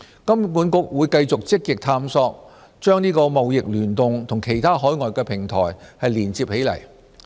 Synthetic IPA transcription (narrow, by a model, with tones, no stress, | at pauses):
kɐ˥mpuː˨˥nkʊ˥k̚wuː˨˧jkɐ˧jt͡sʊ˨k̚t͡sɪ˥k̚jɪ˨k̚t̪ʰaː˧msɔː˧k̚ | t͡ʃœː˥ŋniː˥kɔː˧mɐ˨wjɪ˨k̚lyː˨˩nt̪ʊ˨ŋt̪ʰʊ˨˩ŋkʰe˨˩jt̪ʰaː˥ɦɔː˨˥jŋɔː˨jkɛː˧pʰɪ˨˩ŋt̪ʰɔ̰ː˨˩jhɐ˨jliː˨˩nt͡siː˧p̚he˨˥jlɐ̰˨˩j